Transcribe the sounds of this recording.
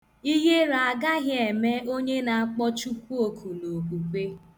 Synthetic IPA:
i˦ɦe˦ɾa˨ɡa˦ɣɪ˦e˨me˦o˦ɲe˦na˨a˦k͡pɔ˦t͡ʃu˦ku˦o˨kʰu˨no˨ku˨kʷe˦

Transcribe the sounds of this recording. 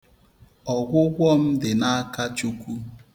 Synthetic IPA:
ɔ˨ɡʷʊ˦ɡʷɔ˦m̩˦dɪ˨na˦ka˦t͡ʃu˦kʷu˦

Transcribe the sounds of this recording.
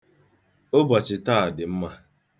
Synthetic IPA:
o˦ba˨t͡ʃɪ˨ta˦˨dɪ˨m̩˦ma˦

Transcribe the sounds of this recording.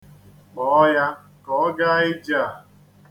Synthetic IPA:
k͡pɔ˨˦ja˦ | kɔ˨˦ɡa˦ɪ˦d͡ʒa˦˨

